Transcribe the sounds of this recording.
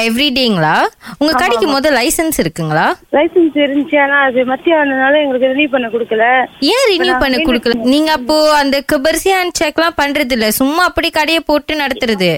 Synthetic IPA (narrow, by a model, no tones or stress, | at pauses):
ɛʋɾiɖeːɪŋɡɐɭaːʊŋɡɐkɐɽɪkʲːɯmoːðɐ̃lɐɪsɐnsɪɾɯkːɯŋɡɐɭaːlɐɪsɐnsɪɾɯnt͡ʃjaːnãːɐðɯmɐt̪ːɪjaːɐnɐnaːlɐ̃ɛŋɡɐɭɯkːɯɾɪnjuːpɐɳːɐkʊɽɯkːɐlɐẽːɾɪnjuːpɐɳːɐkʊɽɯkːɐlɐniːŋɡɐːpːoːɐnd̪ɐkɯbɐɾsiaːnt͡ʃɛkːlãːpɐɳːɾɐðɪlːɐsʊmːaːɐpːɐɽikɐɽɐjɐpoːʈːɯnɐɽɐt̪ːɯɾɐðɯ